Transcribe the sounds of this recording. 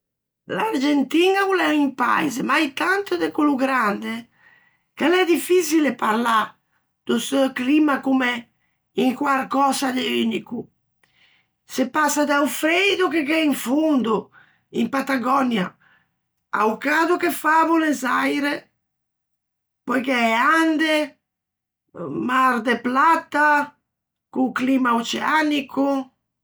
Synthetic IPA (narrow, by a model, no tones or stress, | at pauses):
laɾd͡ʒent̪iːnaulɛimpa̰jzɛmajt̪ant̪d̪ɛkuluɡɾand̪e | kalɛd̪ifisilɛpaɾla | d̪̥usɛklimakumɛ | iŋkwaɾkɔːzad̪ɛyniku | sepːasad̪awfɾejd̪ukekɛiɱfund̪u | impat̪aɡɔnja | a̰wkaːd̪ukefavulezajɾe | pɔjkɛɛand̪e | maɾd̪eplat̪ːa | kuklimaot͡ʃɛanikʰu